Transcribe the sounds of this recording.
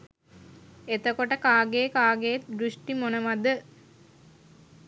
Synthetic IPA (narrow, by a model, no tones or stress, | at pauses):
et̪əkoʈəkaːɡejkaːɡejet̪̚d̪ɾuʂʈimonəʋad̪ə